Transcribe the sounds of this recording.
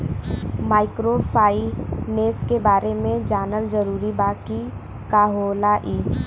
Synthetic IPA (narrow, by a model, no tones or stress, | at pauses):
maːɪkɾopʰaːineːskebaːɾemẽd͡ʒaːnəld͡ʒəɾuːɾibaːki | kaːɦoːlaʔiː